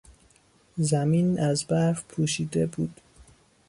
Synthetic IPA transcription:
zæmiːnæzbæɾvpʰuːʃiːd̪ebuːd̪̥

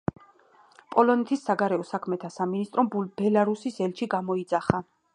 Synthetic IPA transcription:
pʼɔlɔnɛt̪ʰisːaɡaɾɛɔsakʰmɛt̪ʰasaminist̪ʼɾɔmb̥ɛlaɾusisɛlt͡ʃʰiɡamɔid̪zaχa

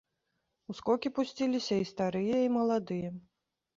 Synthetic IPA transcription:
uskɔkʲipusʲt͡sʲilʲisʲɐist̪aɾɨjɐimɐlˠad̪ɨjɐ

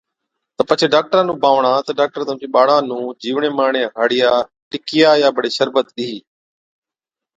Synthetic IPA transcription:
t̪əpət͡ʃʰeːɖaːk̚ʈəɾãːnũːbaːʋɳãːt̪əɖaːk̚ʈəɾt̪əmd͡ʑĩːɓaːɽãːnũːd͡ʒiːʋɳeːmaːɳẽːɦəɽɪjaː | ʈɪkɪjaːjaːbəɽeːʃəɾbət̪ɗiiː

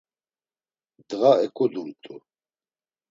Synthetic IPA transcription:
d̪ʁaɛkʰʼud̪uɾt̪ʼu

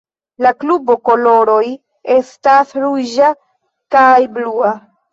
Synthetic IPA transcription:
laklubo̞ko̞lo̞ɾo̞j | e̞stasɾud͡ʒa | kajblua

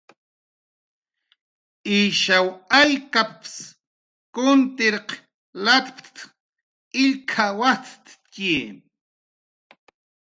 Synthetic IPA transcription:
iʃawaʎkaps | kʊnt̪ɪɾq | lat̪pt̪t̪ | ɪʎkʰawat͡s̪t̪kiː

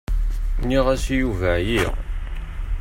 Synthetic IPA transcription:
niʁæsjuvæji

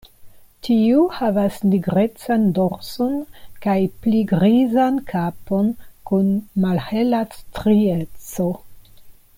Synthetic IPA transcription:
tʰiuhavasniɡɾe̞t͡sandoɾsonkajpliɡɾizankʰapo̞nkunmalhelastɾiet͡so̞

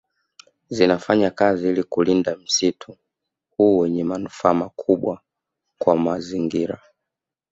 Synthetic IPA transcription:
zinafaɲakaziilikulindam̩sitʰu | huːwɛɲɛmanufaːmakʰuɓwa | kwamaziŋɡiɾa

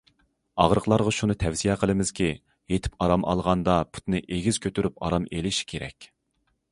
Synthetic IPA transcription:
ɑʁɾəqlˠɑɾʁɑʃunɨt̪ʰɛwsijɛqʰəlˠɨmɪz̥kʲʰi | jet̪ʰɪ̥pɑɾɑmʔɑ̰lˠʁɑnd̪ɑpʰu̥t̪nɨʔeɡʲiz̥kʲʰøt̪ʰyɾypɑ̰ɾɑmelɪʃi̥kʲʰeɾɛ̰kʲ

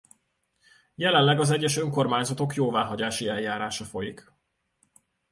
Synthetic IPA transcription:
jɛlɛnlɛɡɒzɛɟːɛʃø̞ŋko̞rmaːɲzɒt̪o̞kjoːvaːɦɒɟaːʃiɛljaːɾaːʃɒfo̞jik

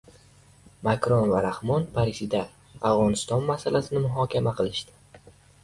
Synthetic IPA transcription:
makɾonvaɾahmɒnpʰaɾisid̪a | avʁɒnɪst̪ɒnmasalasɪnɪmʊɦɒkʲʰamaqʰɨlˠɪʃd̪ɪ̥

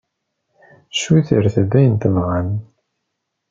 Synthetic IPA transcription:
ʃuiθəɾθæðæjənt̪əvʁan

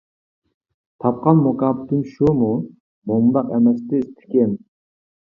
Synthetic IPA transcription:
t̪ʰɑp̚qɑnmokɑːpɨt̪ʰɨmʃumu | mombɑqɛmɛst̪ɪːst̪ʰɪ̥kʲɛn

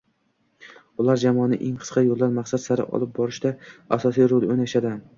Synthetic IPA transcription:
ʊlˠaɾd͡ʒamɒnɪ̰ʔeŋqʰɨ̥sqʰɑjolˠd̪anmaqsat̪saɾɪ̰ʔɒ̰lˠɪp̚bɒɾɪʃd̪aasɒsijɾolˠonaʃad̪ɪ

